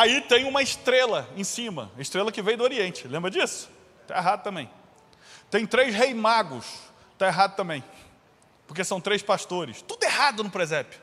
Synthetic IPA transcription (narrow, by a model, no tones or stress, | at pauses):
ait̪ẽj̃ũmɐɪʃt̪ɾelɐẽj̃sĩmɐ̰ɪʃt̪ɾelɐkɪvẽj̃d̪ʊoɾiẽnt͡ʃɪlẽmbɾɐd͡ʒisʊ̥ | t̪a̰eɦad̪ʊt̪ɐ̃mbẽj̃ | t̪ẽj̃t̪ɾejzɦejmaɡʊs | t̪aeɦad̪ʊt̪ɐ̃mbẽj̃ | poɾkesɐ̃w̃t̪ɾejspaʃt̪oɾɪst̪ud̪ʊeɦad̪ʊnʊpɾezɛpɪ̥